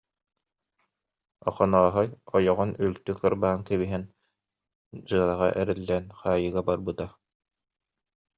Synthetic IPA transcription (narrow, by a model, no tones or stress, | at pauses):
ɔ̰χɔnɔːɦɔjɔjɔʁɔnylt̪ykɯɾbaːnkɛβiɦɛn | d͡ʑɯɐlˠaʁa̰ʔɛɾɛlːɛːnχaːjɯɡabaɾbɯt̪a